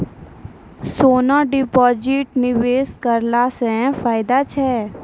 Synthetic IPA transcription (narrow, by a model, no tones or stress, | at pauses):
soːnãɖɪpɔːd͡ʒiʈnɪʋeːskəɾlasɛ̃faːɪd̪at͡ʃʰɛ